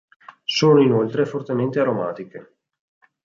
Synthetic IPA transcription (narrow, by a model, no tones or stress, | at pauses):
soːnoinolt̪ɾefort̪ement̪eaɾomaːt̪ike